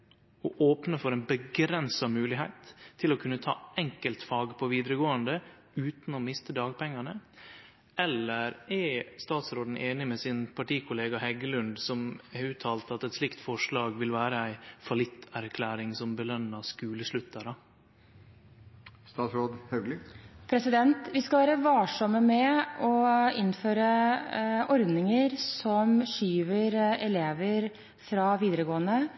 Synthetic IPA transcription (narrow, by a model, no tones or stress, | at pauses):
ɔʔoːpnəfɔɾɛnbəɡɾɛnsɑmʉːlɪɦæɪt̪ʰːɪlɔkʰʉnːət̪ʰɑ̰ːɛŋkəlt̪fɑːɡpʰɔʋiːd̪ɾəɡoːənd̪ə | ʉːt̪n̩ɔmɪst̪əd̪ɑːɡpʰɛŋːɑɳə | ʔɛlːəɾɛst̪ɑːt̪sɾoːd̪n̩ʔeːnɪmɛsɪnpʰɑʈiːkʰʊleːɡɑhɛɡəlʉnd̪sɔmɛʉːt̪ʰɑːlt̪ɑt̪ɛt̪slɪkt̪fɔʂɭɑːɡʋɪlʋæːɾəæɪfɑlɪt̪ʰːæɾkʰlæːɾɪŋsɔmbəlœnːɑskʉːləʂɭʉt̪ːəɾɑ | st̪ɑːt̪sɾoːd̪hœɡlɪpʰɾɛsɪd̪ɛnt̪ʋɪskɑʋæːɾəʋɑːʂɔmːəmɛɔɪnːføːɾə | ʔɔɾd̪nɪŋəɾsɔmʂyːʋəɾɛleːʋəɾ | fɾɑʋiːd̪əɾəɡoːənə